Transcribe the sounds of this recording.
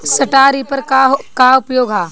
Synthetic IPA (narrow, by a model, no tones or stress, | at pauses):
sɐʈaːɾipɐɾkkaʊpjoːɡʱɦaː